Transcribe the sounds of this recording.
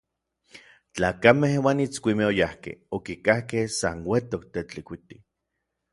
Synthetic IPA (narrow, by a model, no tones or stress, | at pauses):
t͡ɬaːkamehwaːnit͡skʷimeojahkḛhokikahkehsanwet̪ok̚t̪et͡ɬikʷit̪i